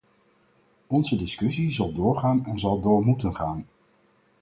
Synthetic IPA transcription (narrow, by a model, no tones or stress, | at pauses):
ɔnzədɪskʏsizɑlˠdʊːɹχaːnɛnzɑlˠdʊːɹmutənχaːn